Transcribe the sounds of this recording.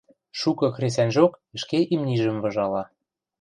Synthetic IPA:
ʃukɤ̆xres̬ænʲʒokə̆ʃkeʔimnʲiʒə̆mvɤ̆ʒɑlɑ

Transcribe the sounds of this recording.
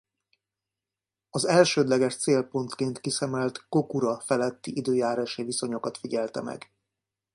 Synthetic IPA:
ɒzɛlʃøːd̪lɛɡɛʃt̪seːlpo̞nt̪keːnt̪kisɛmɛlt̪ko̞kuɾɒfɛlɛt̪ːiʔid̪øːjaːɾaːʃiviso̞ɲo̞kɒt̪fiɟɛlt̪ɛ̰mɛ̰ɡ

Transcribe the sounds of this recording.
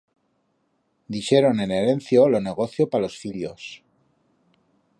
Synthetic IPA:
d̪ixe̞ɾone̞ne̞ɾe̞nθjolone̞ɣ̞o̞θjopalo̞sfiljos

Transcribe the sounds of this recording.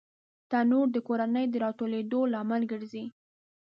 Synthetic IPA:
t̪anuɽd̪əkoɾanəjd̪əɾɑʈ̪oled̪olɑmalɡəɾzi

